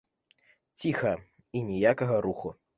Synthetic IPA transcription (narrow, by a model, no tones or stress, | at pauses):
t͡sʲixɐ | inʲɛjakɐɣɐɾuxu